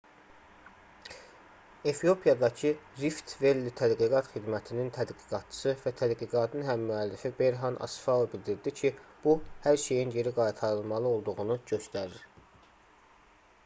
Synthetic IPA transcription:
e̞fijo̞pʰijɑd̪ɑcʰɯɾift̪ve̞lːit̪ʰæd̪ɡiɡɑt̪xid̪mæt̪ʰinint̪ʰæd̪ɡiɡɑt̪̚t͡ʃʰɯ̥sɯvæt̪ʰæd̪ɡiɡɑt̪ʰɯnɦæmːyælːifibe̞jɾɦɑnʔɑ̰sfɑbild̪iɾd̪icʰib̥uhæɾʃe̞jinje̞ɾiɡɑjt̪ʰɑɾɯlˠmɑlˠɯo̞lˠd̪uɣunuɟø̞st̪æɾiɾ

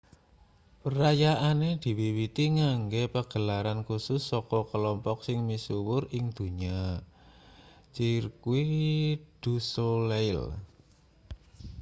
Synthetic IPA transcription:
pəɾajaʔaned̪̥i̤wiwit̪iŋaŋɡepəɡ̥ə̤laɾankusʊsːɔkɔkəlɔmpɔk̚sɪŋmisuwʊrɪŋd̪̥ṳɲa | t͡ʃirkuid̪̥ṳsoleɪl

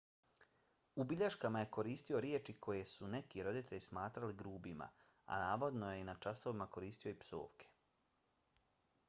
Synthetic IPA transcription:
ubiʎaʃkamaje̞ko̞ɾiːst̪io̞ɾjet͡ʃikʰo̞je̞sune̞kiɾo̞d̪it̪ʰe̞ʎʲsmaːt̪ɾaliɡɾuːbima̰ | a̰naːʋo̞d̪noje̞inat͡ʃaso̞ʋimako̞ɾiːst̪ijo̞ipso̞̰ːʋkʰe̥

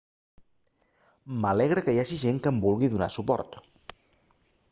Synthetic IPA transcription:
məlɛɣ̞ɾəkəjaʒiʒeŋkəmbulˠɣiðuna̰supɔ̰ɾt̪

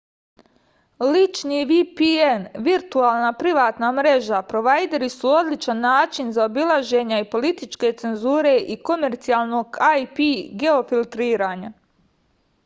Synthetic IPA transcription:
lit͡ʃniːʋipienʋiɾt̪uaːlˠnapɾiʋaːt̪namɾe̞ʒapɾo̞ʋajd̪e̞ɾisuo̞d̪lit͡ʃanːaːt͡ʃinzaobilˠaʒe̞ɲaipo̞lit̪it͡ʃke̞t̪se̞nzuːɾe̞ʔiko̞me̞ɾt̪siaːlˠno̞ɡajpiɡe̞o̞filˠt̪ɾiːɾaːɲa

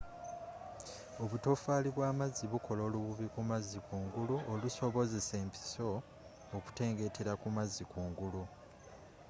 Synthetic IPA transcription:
o̞βuto̞faːliβwaːmazːiβukʰo̞lo̞ːluβuβikumazːikuːŋɡuluoluso̞βo̞ze̞se̞ːmpi̥so̞ː | ku̥te̞ːŋɡe̞tʰe̞ɾakumazːikuːŋɡulu

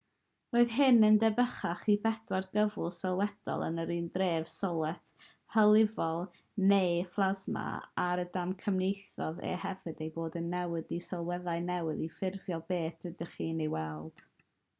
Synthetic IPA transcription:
roːɨðɦɨnəndɛbəχaχibɛd̥warɡ̥əvʊlˠsɔlˠwɛd̥ɔ̰lˠə̰nəɾiːndreːv̥sɔlˠɛtʰ | həlˠɪvɔlˠ | nejflˠazma̰aɾədamkʰəmnejθɔðɛ̰hɛvɨdejboːdənːɛwɨdisɔlˠwɛðaɨnɛwɨðifɪrvjɔbeːθɪdəχiːnejwɛlˠd̥

